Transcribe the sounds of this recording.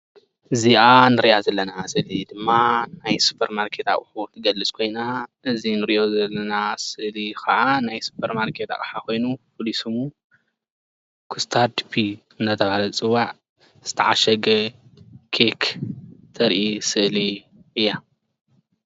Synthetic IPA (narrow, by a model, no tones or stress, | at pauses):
ʔɨziʔanɨɾjazɐlːɐnasɨʔlid̪ɨmːanajsu̥pʰɐɾmaɾkʰe̞t̪a̰kʼħut̪ʰɨɡɐlːɨt͡sʼkʰo̞jnaʔɨzinɨɾiʔo̞zɐlːɐnasɨʔlikɐʔanajsu̥pʰeɾmaɾkʰe̞t̪a̰kʼħako̞jnupʰolisum | kʰɨst̪ʰad̪ipʰi | ɨnt̪ʰɐt̪ʰɐβalɐt͡sʼɨwaʕ | z̥ɨt̪ʰɐʕaʃɐɡɐ | kʰekʰt̪ʰɐɾʔisɨʔli | ʔɨjːa